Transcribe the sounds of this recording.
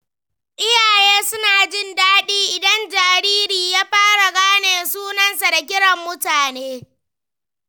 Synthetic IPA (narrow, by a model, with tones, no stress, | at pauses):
ʔɪ˦jaː˨jeː˦sʊ˦naː˨d͡ʒɪ˦ndaː˦ɗiː˦ʔɪ˨dɐ˦nd͡ʒaː˨ɾiː˦ɾiː˨jaː˦ɸaː˦ɽa˨ɡaː˦neː˨suː˦nɐ˦nsa˨da˨k̬ʲɪ˦ɽɐ˨mːʊ˦taː˨neː˦